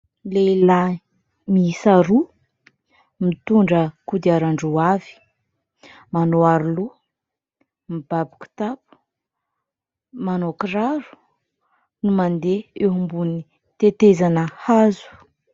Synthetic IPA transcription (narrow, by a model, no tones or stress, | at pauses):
leila | misaɾu | mit̪uɳɖ͡ʐəkud̪iaɾaɳɖ͡ʐuavi̥ | manoaɾulu | mibabi̥ku̥t̪apu̥ | manokɾaɾu̥ | numand̪eeɦumbuni | t̪et̪ezanəhazu̥